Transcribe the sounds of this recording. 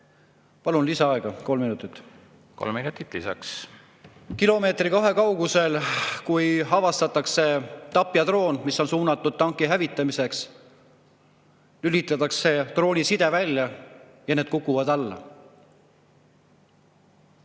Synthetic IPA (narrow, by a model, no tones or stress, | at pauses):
pɑlunlisɑɑeɡ̥ɑko̞lminut̪ˑit̪ː | ko̰lmminut̪ːit̪ˑlisɑ̰ks | kilo̞me̞ːt̪rikɑɦe̞kɑwɡuse̞lkujɦɑvɑst̪ɑt̪ːˑɑkse̞t̪ɑpːˑjɑt̪ro̞ːnmisːo̞nsuːnɑt̪ːˑud̪̥̚t̪ːɑŋkːˑiɦævit̪ːˑɑmise̞ks | ylʲit̪ːˑɑt̪ːˑɑkse̞t̪ro̞ːnʲisid̪̥e̞vælʲjɑ | jɑne̞ːd̪̥kukːˑuvɑd̪ɑlːɑ̰